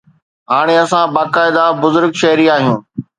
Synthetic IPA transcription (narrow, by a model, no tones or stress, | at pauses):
ɦaːɽ̃eɐsãbaːkaːɪd̪abʊzʊɾɡʃɐɦɾiːaːɦijũː